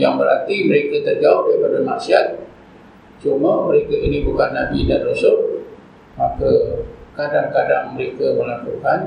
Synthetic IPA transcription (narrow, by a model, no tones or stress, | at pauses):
jaŋbəɾa̰t̪iməɾekat̪ərɡaudaɾipadamaʔsiat̪̚ | t͡ʃuməməɾekaʔinibukanːabidanrusʊʔ̚ | makəkadaŋkadaŋməɾekaməlakukan